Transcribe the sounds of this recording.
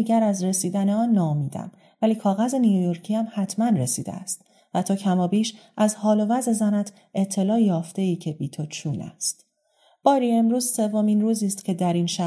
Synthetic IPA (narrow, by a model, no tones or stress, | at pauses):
iɟæɾæzre̞siːd̪æneɒːnːɒːomiːd̪æ̰m | væliːkʰɒːɣæze̞nijojoɾcʰiːæmhæt̪ʰmænre̞sḭːd̪ḛæ̰st̪ | væt̪ʰɒːcʰæmɒːbiːʃʔæzhɒːlo̞væzezænæt̪ʰ | ʔe̞t̪ʰːe̞lɒːjjɒːft̪e̞iːcʰe̞biːt̪ʰot͡ʃʰuːnæ̰st̪ | b̥ɒːɾiːe̞mɾuːz̥se̞vːo̞miːnruːziːst̪cʰe̞d̪æɾinʃæ